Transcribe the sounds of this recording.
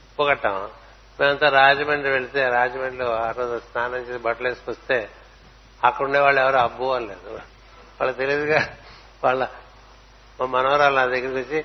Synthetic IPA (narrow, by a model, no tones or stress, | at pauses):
poːkɐʈːaːm | meːmɐnt̪aːɾaːd͡ʒɐmeːɳɖluʋeɭit̪e̞ːɾaːd͡ʒɐmeːɳɖloɐɾoːd͡ʒust̪ʰaːnɐɲt͡ʃeibɐʈleːskɐst̪e̞ː | ɐkːɐɽuɳɖeːʋaːɭːɛʋɐɾoɐbːuʋalleːd̪u | ʋa̰ːɭːt̪eliɐd̪uɡaː | ʋaːɭːɐ | mɐnɐʋɐɾaːlɐnaːd̪ɐɡːiɾikot͡ʃːi